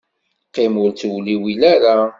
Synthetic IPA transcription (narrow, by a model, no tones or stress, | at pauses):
qːɪmʊɾθwliwilæɾa